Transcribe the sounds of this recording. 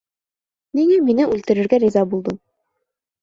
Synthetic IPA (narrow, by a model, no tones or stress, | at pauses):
niŋæminɘʔʉlt̪ɘ̆ɾɘ̆ɾɡæɾizɑbulˠd̪ɤm